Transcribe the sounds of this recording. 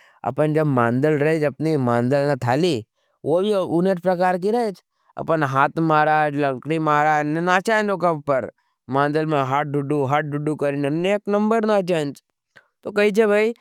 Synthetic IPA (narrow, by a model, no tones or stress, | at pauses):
ɐ̰pənd͡ʒɐbmãːnd̪əlɾɐɦed͡ʒɐpnimãːnd̪əlnat̪ʰaːli | ʋobʱiuneʈpɾɐkaːɾk̬iɾɐɦet͡ʃʰ | ɐ̰pənɦaːt̪ʰmaːɾaːd͡ʒlɐ̃ŋkɽimaːɾaːnenaːt͡ʃãnd͡ʒ̪okɐbpɐɾ | mãːnd̪əlmẽɦaːʈ̚ɖʊɖuɦaːʈ̚ɖʊɖukɐɾinɐneːknɐ̃mbəɾnat͡ʃə̃nt͡ʃ | t̪okɐɦit͡ʃʰebʱai